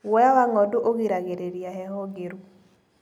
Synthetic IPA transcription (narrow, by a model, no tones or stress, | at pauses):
wɔjawaŋɔdoʔoɡiɾaɡeɾeɾiaɦɛhɔɡeɾu